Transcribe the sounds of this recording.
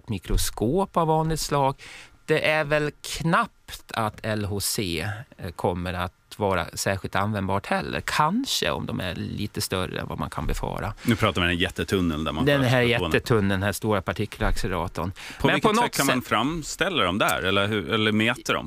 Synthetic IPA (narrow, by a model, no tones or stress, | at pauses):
t̪mɪkɾʊskoːpavːɑːnlɪɡt̪slɑːɡd̪̥ɛʔæɾvɛlkʰnapt̪ʰat̪ʰɛlɦoseːkʰɔmːəɾat̪vɑːɾa̰sæːɾɧɪlt̪anvɛnd̪bɑːʈhɛlːə̰ɾkʰanʂə̰ɔ̰md̪ɔmʔæɾɭḭːt̪əst̪œɾəɛ̰nva̰ma̰nkʰanbɛfɑ̰ːɾanʉːpʰɾɑːt̪avɪd̪æjɛt̪ːət̪ʰɵnːənd̪æ̰ɾmad̪ɛnɦæːɾjɛt̪ːət̪ʰɵnːəd̪ɛnhæːst̪uːɾapʰaʈʰɪkʰːlaksəɾɑ̰ːt̪ənpʰɔvmɛnɪkpʰɔnɔt̪ːkʰːamanfɾamst̪ɛlːaɾɔmd̪ɛhæ̰ɾɛlːəɾhʉɛlːəɾmɛːt̪əɖɔ̰m